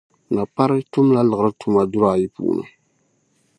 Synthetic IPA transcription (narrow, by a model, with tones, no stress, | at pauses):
na˨pa˦ɾɨ˦tʊ˦m˦la˦lɨ˨ɣə˨ɾɨ˦tu˦ma˦du˦ɾa˨ji˦pṵː˨˦˨nɨ̰˨